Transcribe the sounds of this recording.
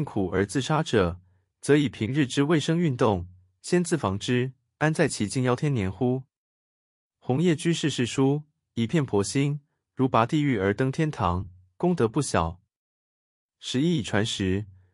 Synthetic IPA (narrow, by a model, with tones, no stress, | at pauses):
i˥˩ŋkʰu˨˩ə̰˞˧˥t͡sɹ̩˥˩˧ʂa˥ʈ͡ʂɤ˨˩ | t͡sɤ˧˥i˨˩pʰi˧˥ŋɻɻ̩˥˩ʈ͡ʂɻ̩˥we˥˩ɪʂɤ˥ŋy˥˧nt̪ʊ˥˩ŋ | ɕjɛ˥nt͡sɹ̩˥˩fɑ˧˥ŋʈ͡ʂɻ̩˥ | a˥nt͡sa˥˩ɪt͡ɕʰi˨˩t͡ɕi˥˩ŋjɑ˥ʊt̪ʰjɛ˥njɛ˧˥nxu˥ | xʊ˧˥ŋjɛ˥˩t͡ɕy˥ʂɻ̩˥˧ʂɻ̩˥˩ʂu˥ | i˨˩pʰjɛ˥˩npʰwɔ˧˥ɕi˥n | ɻu˧˥pa˧˥t̪i˥˧y˥˩ə˞˧˥t̪ɤ˥ŋt̪ʰjɛ˥nt̪ʰɑ˧˥ŋ | kʊ˥ŋt̪ɤ˧˥pu˥˩ɕjɑ˨˩˦ʊ | ʂɻ̩˧˥i˥i˨˩ʈ͡ʂʰwa˧˥nʂɻ̩˧˥